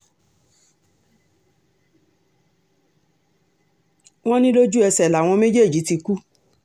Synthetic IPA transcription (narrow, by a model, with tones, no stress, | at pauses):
w̃ɔ̃˦nĩ˦lo˦d͡ʒu˦ɛ˧sɛ˨la˨w̃ɔ̃˧me˦d͡ʒe˦˨d͡ʒi˨˦ti˧ku˦